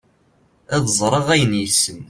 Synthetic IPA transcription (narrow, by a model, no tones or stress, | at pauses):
æðˤzˤɾˤəʁæjənjəsːəm